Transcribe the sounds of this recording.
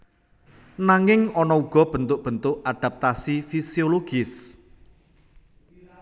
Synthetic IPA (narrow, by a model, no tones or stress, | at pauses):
naŋɪŋɔnɔuɡ̥ɔ̤b̥ə̤nt̪ʊʔ̚b̥ənt̪ʊʔad̪̥a̤p̚t̪asifisioloɡ̥ɪs